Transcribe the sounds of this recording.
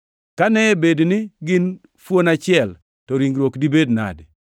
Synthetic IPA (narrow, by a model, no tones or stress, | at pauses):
kanɛbednɪɡɪn | fwonat͡ʃɪɛl | tɔɾiŋɡɾwokdibedna̰d